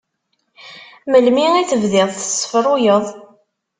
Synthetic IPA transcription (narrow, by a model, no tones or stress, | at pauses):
məlmiiθəvðɪðˤθə̥sˤːfəɾˤʊjəðˤ